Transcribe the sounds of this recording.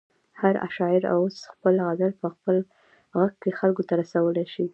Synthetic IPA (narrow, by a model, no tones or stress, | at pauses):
haɾa̰ʃɑɪɾa̰wosxpəlɣazalpəxpəl | ɣaɡ̚kːexalkot̪aɾasawəlajʃi